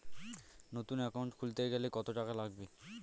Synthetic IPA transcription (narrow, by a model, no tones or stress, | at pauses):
not̪unɛkawɳʈkʰult̪eɡɛlekɔt̪oʈakalaɡbe